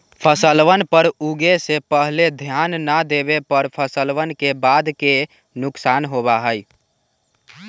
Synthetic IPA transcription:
pʰəsəlʋənpəɾuɡesepəɦled̪ʱjanːəd̪ebepəɾpʰəsəlʋənkebad̪ke | nʊksanɦobaɦəj

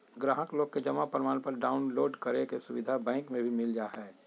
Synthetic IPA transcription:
ɡɾaːɦəkloːɡ̚ked͡ʒɐmapɾɪmaːnpəɾɖaːʊnloːɖkəɾekesʊʋɪd̪ʱabɛ̃ːŋkmẽbʱimɪld͡ʒaːɦɛː

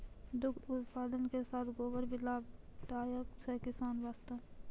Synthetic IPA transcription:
d̪ʊk̪ʰʊt̪paːd̪ənkesaːt̪ʰɡoːbəɾbɪlaːb̚d̪aːjəksekɪsaːnʋaːst̪əm

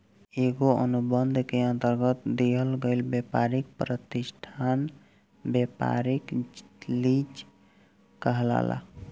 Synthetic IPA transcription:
eɡoə̰nubənd̪ʱkeə̃nt̪əɾɡət̪d̪eɦəlɡəɪlbjepaɾik̚pɾət̪isʈʰan | bjepa̰ɾiklid͡ʒ | kəɦla̰la̰

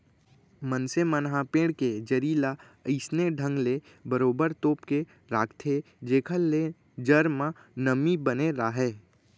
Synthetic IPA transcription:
mənsemənɦãpẽːɽked͡ʒəɾiːla | əɪsneɖʱə̃ŋɡle | bəɾoːbəɾt̪oːpke | ɾaːkʰt̪ʰe | d͡ʒeːkʰəlːe | d͡ʒəɾmã | nəmibəneɾaːɦɛː

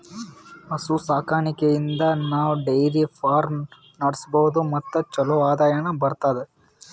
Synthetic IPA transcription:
ɐsusaːkʰaːɳikejind̪ɐnaːʋuɖejɾifʰaːɾ | nɐɽisbɐɦud̪umɐt̪ːɐt͡ʃɐloaːd̪aːjɐɳɐbɐɾt̪aːd̪e

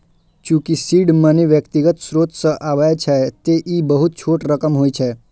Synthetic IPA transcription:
t͡ʃũkisiɖməniʋjəkt̪iɡət̪sɾot̪səʔaʋajt͡ʃʰet̪eʔibəɦut̪̚t͡ʃʰoʈɾəkəmɦoit͡ʃʰe

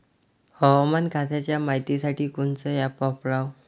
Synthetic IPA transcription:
həwmankat̪at͡ɕjamaɦit̪isaʈiːkunt͡səjapɔpɭaw

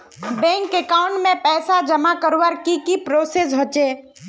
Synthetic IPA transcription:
bɛ̃ːŋkekaːʊ̃ɳʈmẽpɛːsad͡ʒəmakəɾwəɾkikipɾoːses̬ɦot͡ʃeː

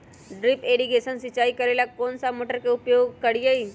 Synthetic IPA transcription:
ɖɾipeɽiɡesənsit͡ɕaikəɾelakonsamoʈəɾkeupjoɡkəɽijei

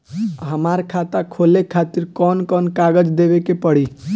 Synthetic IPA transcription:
ɦəmaɾkʰat̪akʰolekʰat̪iɾkɔnkɔnkaɡəd͡ʒd̪ebekepəɽi

